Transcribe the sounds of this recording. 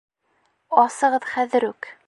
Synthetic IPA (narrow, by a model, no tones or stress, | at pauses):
ɑsɤ̆ʁɤðχæðɘ̆ɾʉk